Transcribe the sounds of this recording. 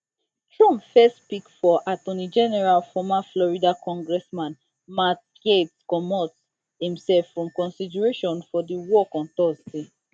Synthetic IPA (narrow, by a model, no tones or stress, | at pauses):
tɹɔ̃mpfɛstpikfɔʔatõnid͡ʒɛnɛɹalfɔmaflɔɹidakɔ̃ŋɡɹɛsmãn | mat̚ | ɡetskɔmɔt | hĩmsɛlfɹɔ̃mkɔ̃nsidɛɹeʃɔ̃nfɔdiwɔkɔ̃ntɔsde